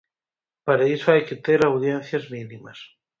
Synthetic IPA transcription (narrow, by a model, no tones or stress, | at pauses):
paɾaisoajket̪eɾawð̞jen̟θjazminimas